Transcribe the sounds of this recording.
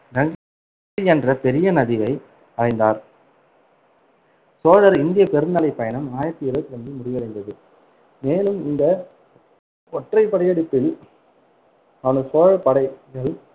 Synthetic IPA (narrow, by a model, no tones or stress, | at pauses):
ɾɐŋɡ | ɛndrɐpɛɾɪjɐnɐðɪʋɐɪ | ɐɾɐɪnd̪aːɾ | soːɻɐɾɪnd̪ɪjɐpɛɾɯnd̪ɐlɐɪpːɐjɐnɐmaːjɐt̪ːɪɪɾɐɯt̪ːɾɐndɯmʊɽɪʋɐɾɐɪnd̪ɐðɯ | meːnɯmɪnd̪ɐ | ɔʈrɐɪpːɐɽɐjɐɽɪpːɪl | ɐʋɐnɐsoːɻɐpɐɽɐɪɣɐɭ